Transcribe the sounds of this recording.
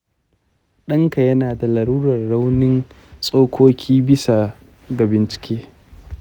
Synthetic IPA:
ɗɐ˦ŋka˨jɐ˦naː˨da˨lɐ˨ɾuː˦ɾɐ˨rːa˦wnɪ˦n | sʼoː˦kʷʰoː˦kʲʰiː˦bɪ˦sa˨ | ɡa˨bɪ˨nt͡ʃɪ̥˨kʲeː˦

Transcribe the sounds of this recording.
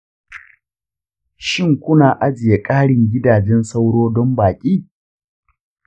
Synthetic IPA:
ʃɪ˦˨ŋkʷʊ˦naː˨ʔa˦d͡ʒɪ˨je˨kʼaː˦ɽɪ˨ŋɡʲɪ˦daː˨d͡ʒɛ˦nsa˦wɽoː˦dɔ˦mbaː˨kʲʼiː˦

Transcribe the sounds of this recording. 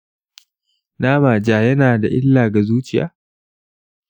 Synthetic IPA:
naː˦maː˨d͡ʒaː˦jɐ˦naː˨da˨ʔɪ˦lːaː˨ɡa˨zuː˦t͡ʃɪ˦ja̰ː˦

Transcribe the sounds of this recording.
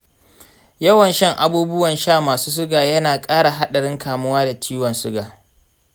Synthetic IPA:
jɐ˦wɐ˨nʃɐ˦ŋʔa̰˨buː˦bʊ˦wɐ˨nʃaː˦˨maː˨suː˦s̬ʊ˦ɡaː˨jɐ˦naː˨kʼaː˦ɽa˨ɦa˦ɗɐ˨ɽɪ˦ŋkaː˨mʊ˦waː˦da˨t͡ʃʰiː˦wɐ˨nsʊ˦ɡaː˨

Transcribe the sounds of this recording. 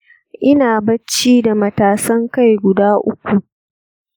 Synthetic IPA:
ʔɪ˦naː˨bɐ˦t͡ʃːiː˦da˨mɐ˦taː˨sɐ˦ŋka˦˨jɡʷʊ˨daː˦ʔʊ˦kʷu˨ʔ

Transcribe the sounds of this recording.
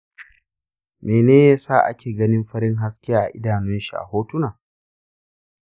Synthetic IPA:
meː˨neː˦jaː˦sa̰ː˦˨ʔa̰˦kʲeː˨ɡɐ˦nɪ˦mɸɐ˦ɽɪ˦ŋɦa˦skʲɪ˦jaː˦˨ʔa̰˨ʔɪ˦daː˨nʊ˦nʃi˨ʔa̰˨hoː˦tʊ˦naː˨

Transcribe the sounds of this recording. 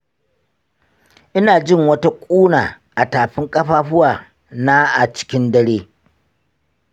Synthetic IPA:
ʔɪ˦naː˨d͡ʒɪ˦˨ŋwɐ˦ta˦kʷʼuː˦naː˨ | ʔa˨taː˨ɸɪ˦ŋkʼɐ˦ɸaː˦ɸʊ˦waː˨ | naː˦ʔa˨t͡ʃɪ̥˦kʲɪ˦ndɐ˦ɽeː˦

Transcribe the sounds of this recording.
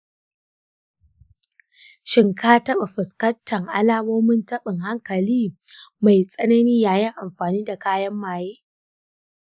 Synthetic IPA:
ʃɪ˨ŋkaː˦tɐ˦ɓa˨ɸɪ˨skɐ˦ntʰːɐ˨ŋʔa̰˦laː˦moː˦mɪ˦ntɐ˦ɓɪ˨ŋha˦ŋkɐ˨liː˦ma˨jsʼɐ˦nɐ˦niː˦jaː˦jɛ˦ŋʔa˨mɸaː˨niː˦da˨kaː˦jɐ˦mːaː˨jeː˦

